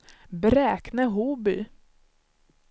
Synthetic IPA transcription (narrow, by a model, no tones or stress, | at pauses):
bɾɛːknəɦuːbʏ̰